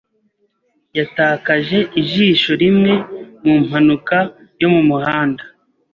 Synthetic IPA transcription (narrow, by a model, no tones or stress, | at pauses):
jataːkaʒe̞ʔiʒiːʃo̞ɾimŋe̞mum̥hanuka | jo̞mumuhaːnda